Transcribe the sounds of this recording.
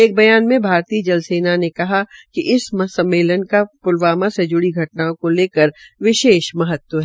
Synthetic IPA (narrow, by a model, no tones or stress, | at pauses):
eːk̚bɐjaːnmẽbʱaːɾt̪iːd͡ʒɐlseːnanekɐɦakiʔɪsmɐsɐ̃mːeːlənkapʊlʋaːmased͡ʒʊɽiɡʱɐʈnaõkoleːkəɾʋɪʃeːʃmɐɦət̪wəɦɛː